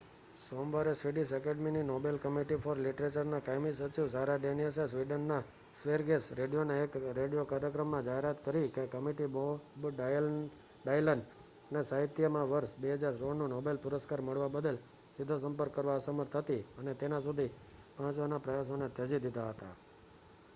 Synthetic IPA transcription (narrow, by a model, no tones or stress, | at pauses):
somʋaɾesʋiɖisɛkeɖmininobelkəmiʈifʰɔɾliʈɾet͡ʃəɾnakajmis̬ət͡ʃiʋsaɾaɖenijəs̬esʋiɖənːa | sʋeɾɡesɾeɖijoneːkɾeɖijokaɾjəkɾəmːãd͡ʒaɦeɾat̪kəɾikekəmiʈibobɖal | ɖajləɳɖ | nesaɦit̪jəmãʋəɾʃbeɦəd͡ʒaɾsoɽnũnobelpʊɾəskaɾməɭʋabəd̪əl | sɪd̪ʱːos̬əmpəɾkːəɾʋaəsəməɾt̪ʰɦət̪iənet̪enas̬ud̪ʱi | pãt͡ʃʋanapɾəjasonet̪əd͡ʒid̪id̪ʱaɦət̪a̰